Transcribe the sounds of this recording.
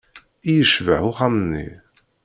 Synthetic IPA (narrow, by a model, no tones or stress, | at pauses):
ijəʃvəʕʊχæmənːḭ